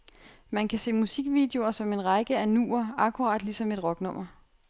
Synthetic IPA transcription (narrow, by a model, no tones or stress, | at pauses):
mænkʰæse̝̰ːmusiɡ̥ʋiːd̥e̝o̝ɐsɒ̽me̝nʁɑ̈ɡ̥əænṵːɐɑ̈kʰuʁɑ̰̈ːd̥lisɒ̽me̝d̥ʁɒ̽ɡ̥nɔ̽m̰ɐ